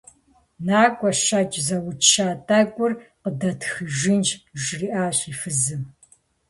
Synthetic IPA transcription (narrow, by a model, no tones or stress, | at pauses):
naːkʷʼɔʃat͡ʃʼzɐwʊʃaːtʰʼaːkʷʼʊrqədɐtʰxɨʒɪnd͡ʒʒriːʔaːɕʼifɨzɨm